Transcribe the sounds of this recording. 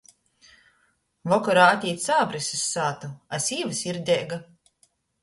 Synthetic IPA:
vɔkɔɾaːat̪ʲiːt̪saːbɾisɨsːaːt̪uasiːvɨsiɾd̪ʲɛːɡa

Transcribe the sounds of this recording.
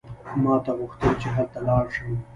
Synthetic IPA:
mɑːt̪aɣʊxt̪əlt͡ʃeɦalt̪alɑːɽʃəw

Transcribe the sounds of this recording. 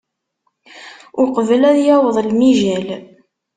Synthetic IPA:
ʊqəvəlæðjæwəðˤlmiʒæl

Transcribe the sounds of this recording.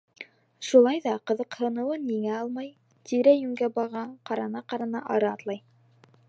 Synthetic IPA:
ʃulˠɑjðɑqɤ̆ðɤ̆qhɤ̆nɤ̆wɤniŋæɑlˠmɑj | t̪ʰiɾæjʉŋɡæbɑʁɑqɑɾɑnɑqɑɾɑnɑʔɑɾɑɑt̪lˠɑj

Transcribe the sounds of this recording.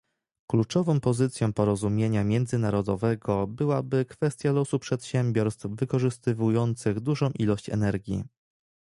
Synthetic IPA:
klut͡ʂɔvɔ̃w̃pɔzɘt̪sʲjɔ̃w̃pɔɾɔzumʲjeɲamʲjɛnd̪zɘnaɾɔd̪ɔvɛɡɔbɘwabɘkfɛst̪ʲjalɔsupʂɛt̪ɕɛmʲbʲjɔɾst̪fvɘkɔʐɘst̪ɘvujɔnt̪sɘɣd̪uʐɔ̃w̃ʔilɔɕt͡ɕɛ̰nɛɾɡʲjḭ

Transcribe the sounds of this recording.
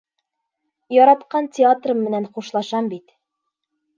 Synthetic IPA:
jɒɾɑt̪qɑntʲɪat̪rɤmɘ̆nænχuʃlˠɑʃɑmbit̪

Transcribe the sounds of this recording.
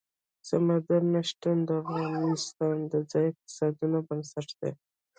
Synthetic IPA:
samad̪aɾnaʃʈand̪ɑɾɾanist̪ɑnd̪əd͡zɑjɪq̚t̪ɪ̥sɑd̪unobənsaʈd̪ḛ

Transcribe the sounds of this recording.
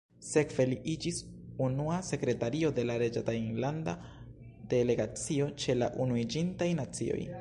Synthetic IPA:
se̞kv̥e̞liʔid͡ʒisunuase̞kɾe̞taɾio̞de̞laɾe̞d͡ʒatajnlanda | d̥e̞le̞ɡat͡sio̞t͡ʃe̞la̰ʔunuid͡ʒintajnat͡sḭo̞̰j

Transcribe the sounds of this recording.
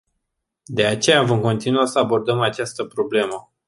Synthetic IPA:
d̪e̞at͡ʃe̞javomko̞nt̪inuasəabo̞rd̪əmat͡ʃast̪əpɾo̞ble̞mə

